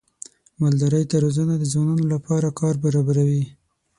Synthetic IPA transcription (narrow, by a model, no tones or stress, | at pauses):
mald̪aɾəjt̪aɾozənad̪əzwɑnɑnolapɑɾakʰɑɾbaɾɑbaɾawi